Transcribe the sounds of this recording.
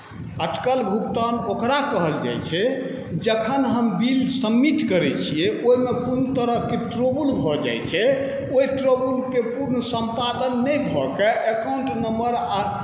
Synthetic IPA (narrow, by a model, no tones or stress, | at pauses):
əʈkəlbʱukt̪anokɾakəɦəld͡ʒa̰jt͡ʃʰɛ | d͡ʒəkʰənɦəmbilsəmːiʈkəɾɛt͡ʃʰiɛʔoɦimekunt̪əɾəɦkeʈɾobulbʱɔd͡ʒa̰jt͡ʃʰɛ | oiʈɾobulkepuɾnəsə̃mpad̪ənːəjbʱɔkeʔekawɳʈnəməɾa